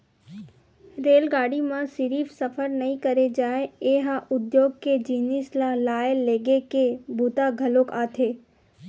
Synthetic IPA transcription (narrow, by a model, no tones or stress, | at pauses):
ɾeːlɡaːɽimãsɪɾiːfsɐfʰəɾnɐɦĩkəɾed͡ʒaːeeːɦaʔʊd̪joːɡ̚ked͡ʒiːnɪslalaːelːeːɡekebʱuːt̪aɡʱɐlokaːt̪ʰeː